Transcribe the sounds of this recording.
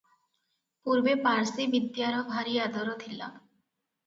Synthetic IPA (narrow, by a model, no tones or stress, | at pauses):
puɾbepaɾsibid̪jaɾɦɔbʱaɾiad̪ɔɾot̪ʰilːa̰